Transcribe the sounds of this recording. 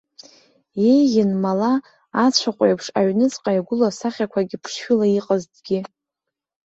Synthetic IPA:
je̞jʲɪnmalaː | t͡ɕʷʰaqʷʼejpʰʂaɥnɨt͡sʼqʼajaɡʷʊlasaχʲakʷʰaɡʲɪpʰʂʃʊlaiqʼəztʼɡʲɪ

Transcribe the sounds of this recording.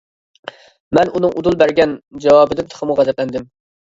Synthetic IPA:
mɛnunɨŋʔud̪ulˠbæɾɡʲɛnd͡ʒɛwɑːbɨd̪ɪt̪ʰɨ̥χʰəmuʁæzɛt̪lɛnd̪ɪm

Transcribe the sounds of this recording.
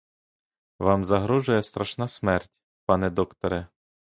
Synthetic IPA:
ʋɑmzɐɦɾɔʒʊjɛst̪ɾɐʃnɑsmɛrtʲ | pɑnɛd̪ɔkt̪ɔɾɛ

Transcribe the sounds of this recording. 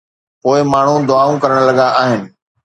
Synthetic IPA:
poːɪmaːɳ̤ũd̪ʊaːũkɐɾəɽ̃lɐɠaʔaːɦɪnɪ̆

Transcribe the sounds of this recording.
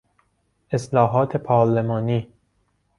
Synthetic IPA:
ʔeslɒːɦɒːt̪ʰepʰɒːɾlemɒːniː

